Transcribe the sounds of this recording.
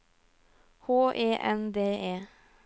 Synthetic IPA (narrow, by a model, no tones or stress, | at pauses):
hoːʔeːʔɛnd̪eːeː